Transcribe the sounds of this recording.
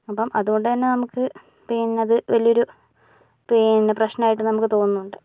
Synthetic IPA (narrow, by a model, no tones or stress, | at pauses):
ɐpːɐmʔɐðuɣo̞ɳɖɨt̪ɐnːenɐmukːɨ | pinɐðɨʋɐlijo̞ɾu | pineprɐɕnɐnaːjiʈːɨnɐmukːɨt̪o̞ːnːuuɳɖɨ